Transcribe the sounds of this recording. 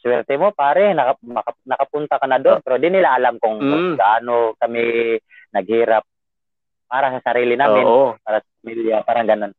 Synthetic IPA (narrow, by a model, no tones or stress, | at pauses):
swɛɾt̪ɛmo̞paːɾɛnɐkmɐkɐnɐkɐpʊnt̪akanad̪oonpɛɾod̪ɪnɪlaʔɐlamkʊŋɡaʔaːnokɐmɪ | nɐɡ̚hiːɾap̚ | pːaːɾasɐsɐɾiːlɪnaːmɪopaːɾasɐpamiljapaːɾaŋɡɐno̞n